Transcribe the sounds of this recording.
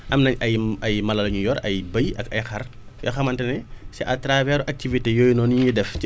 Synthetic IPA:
ʔɐmnɐɲɐjɐjmɐlɐlɐɲujɔɾɐjbɐjɐkɐjxɐr | jɔ̰xɐmɐntɛnɛsɛʔɐtɾavɛɾuʔɐk̚tivitejɔːjnɔːnijidɛf

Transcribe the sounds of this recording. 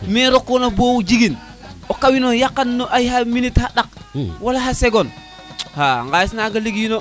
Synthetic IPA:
meɾokːonabowd͡ʒiɡin | okawinojakːanːoʔajhaminithaɗak̚ | walaɦaseɡon | haŋɡajisnaɡaliɡjino

